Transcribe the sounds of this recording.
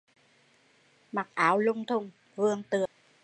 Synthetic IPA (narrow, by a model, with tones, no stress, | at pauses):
ma˨˩k̚ʔaː˨˦wlʊ˧ŋ͡mt̪ʰʊ˧ŋ͡m | vɨ˧əŋt̪ɨ˨˩ə